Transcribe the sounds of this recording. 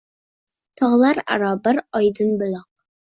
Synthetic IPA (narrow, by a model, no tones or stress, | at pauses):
t̪ʰɑʁlˠɑɾa̰ɾɑbɪɾɑjd̪ɨnbɪlɑq